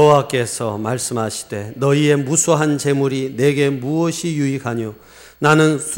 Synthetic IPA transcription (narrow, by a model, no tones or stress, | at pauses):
owak͈e̞sʰʌ̰maɭs͈ɯmɦaɕʰi̥de̞nʌie̞musʰoɦant͡ɕe̞muɾine̞ɡe̞muʌɕʰijuikʰaɲo | nanɯnsʰ